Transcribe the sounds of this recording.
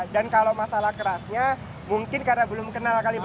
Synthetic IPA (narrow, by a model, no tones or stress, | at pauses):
dankalomasalahkəɾasɲa | muŋkɪnkarnabəlʊmkənalkalib